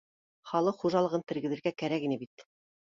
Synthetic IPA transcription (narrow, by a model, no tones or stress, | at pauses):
χɑlˠɤqχuʒɑlˠɤ̆ʁɤnt̪ɘ̆ɾɡɘ̆ðɘ̆ɾɡækæɾækinɘbit̪